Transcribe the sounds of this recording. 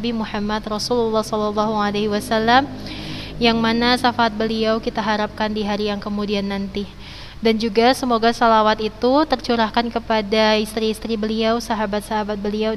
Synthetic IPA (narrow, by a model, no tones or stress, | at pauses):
bimuħamat̪rɔsululːɑhsɔlalːɔɦualehiwasalːam | jaŋmanasafaːt̪̚bəliawkit̪aɦaɾap̚kandiɦaɾijaŋkəmudianːant̪i | dand͡ʒuɡasəmoɡasalawat̪it̪ut̪ərt͡ʃuɾahkankəpadaist̪ɾiːst̪ɾibəliawsaɦabat̪̚saɦabat̪̚bəlia